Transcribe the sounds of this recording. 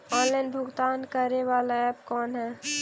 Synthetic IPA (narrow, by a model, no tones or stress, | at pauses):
ɔ̃ːnlaːɪnbʱʊɡt̪aːnkəɾeʋaːlaɛːpkɔːnɦɛː